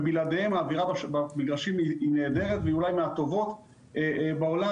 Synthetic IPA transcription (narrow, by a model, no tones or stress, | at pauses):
bilad̪ehemaːviʁabaʃbabiɡʁaʃimiineːd̪e̞ʁet̪veiulajmeat̪o̞vo̞t̪ | ebeo̞la